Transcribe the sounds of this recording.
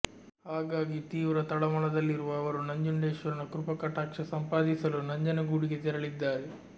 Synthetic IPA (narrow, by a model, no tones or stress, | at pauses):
haːɡaːɡit̪iːʋɾɐt̪ɐɭɐmɐɭɐd̪ɐlːiɾuʋɐːʋɐɾunɐɲd͡ʒuɳɖeːʃʋɐɾinɐkɾupɐkɐʈaːkʂɐsɐmpaːd̪isɐlunɐɲd͡ʒɐnɐɡuːɽiɡet̪ɛɾɐɭid̪ːaːɾe